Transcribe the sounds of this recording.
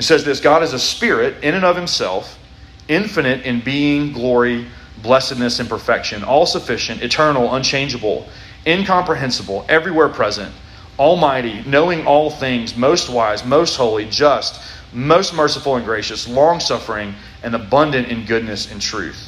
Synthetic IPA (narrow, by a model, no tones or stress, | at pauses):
isɛzðɪsɡ̥ɑɾɨzɨspɪɹɪɾɪ̃ñɨ̃nʌv̥hɨ̃msɛ̰lˠf | ɪ̃ɱfɨnɨɾɨ̃nbiɪ̃ŋɡlɔɹi | blɛsɨdⁿnɨsɨ̃npʰə˞fɛkʃɨ̃nɔlˠsəfɪʃɨ̃ntɨtʰɜ̃˞nl̩ˠə̃nt͡ʃʰẽɪ̃nd͡ʒɨbl̩ˠ | ɪ̃nkʰɑ̃mpɹɨɦɛ̃nsəbl̩ˠɛvɹiwɛɹpʰɹ̥ɛzɨ̰̃nt | ɔlˠmaɪɾinoʊɪ̃ŋʔɔlˠθɪ̃ŋzmoʊst̚waɪzmoʊst̚hoʊlˠid͡ʒʌst̚ | moʊst̚mɜ˞səfl̩ˠə̃nɡɹeɪʃɨslɔ̃ŋsʌfə˞ɪ̃ŋ | ɨ̃nəbʌ̃ndɨ̃ntɨ̃nɡʊdⁿnɨsɨ̃ntʰɹ̥ʉ̰θ